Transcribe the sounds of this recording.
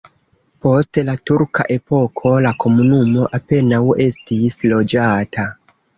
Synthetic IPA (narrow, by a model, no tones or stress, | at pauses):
po̞stlatuɾka̰ʔe̞po̞kʰo̞lako̞munumo̞ʔape̞nawe̞stislo̞d͡ʒatʰa